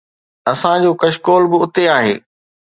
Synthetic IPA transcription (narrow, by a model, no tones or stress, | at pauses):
ɐsãd͡ʑoːkɐʃkoːlbɪʊt̪eaːɦḛː